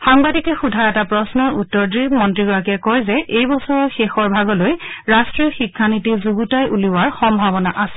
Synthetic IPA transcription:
xaŋbadikɛxudʱaɹɛtapɹɔsnɔɹutːɔɹdɹimɔntɹiɡɔɹakɛkɔjzɛʔejbɔsɔɹɔxexɔɹbʱaɡɔlojɹastɹiɔxikʰːanitizuɡutajʔuliwaɹxɔmbʱabɔnaʔasɛ̥

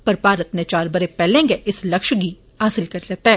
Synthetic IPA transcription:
pɐɾpaːɾət̪net͡ʃaːɾbɐɾepɛːlẽŋɡeʔɪslɐkʃɡi | ɦaːsɪlkɐɾɾɛːt̪aɦɛː

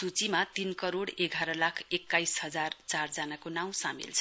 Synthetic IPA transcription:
sut͡simat̪inkʌɾoɽeɡʱaɾʌlakʰekːajsɦʌd͡zart͡sard͡zanakonaw̃samḭlt͡sʰʌ̥

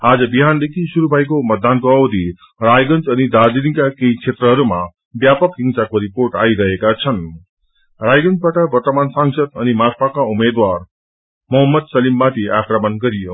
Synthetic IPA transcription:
ad͡zʌbiɦand̪ekʰisuɾubʱajkomʌt̪̚d̪ːankoʌwd̪ʱi | ɾajɡʌnt͡sʌnid̪aɾd̪iɾikakejkʰet̪ɾʌɦʌɾuma | bjapʌkɦiŋsakoɾipoɾʈaiɾʌɦekat͡sʰʌn | ɾajɡʌnt͡sbaʈʌbʌrt̪əmansaŋsʌd̪ʌnimaɾpʰakaumed̪waɾ | mʌɦʌmːʌd̪sʌlimːat̪ʰiakɾʌmənɡʌɾijo

